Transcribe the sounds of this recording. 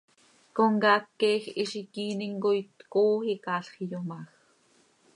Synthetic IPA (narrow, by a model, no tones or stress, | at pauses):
koŋɡɑːkːɛːxiʃikiːniŋɡojt̪koːhikɑːɬχijomɑx